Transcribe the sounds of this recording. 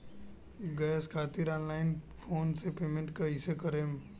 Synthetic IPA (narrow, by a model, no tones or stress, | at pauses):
ɡɛːskʰaːt̪iːɾaːnlaːɪn | fʰoːnsepeːmẽɳʈkɐɦisekəɾẽm